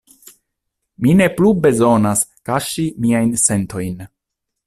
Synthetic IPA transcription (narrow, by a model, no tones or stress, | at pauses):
mine̞plube̞zo̞naskaʃimiajnse̞nto̞jn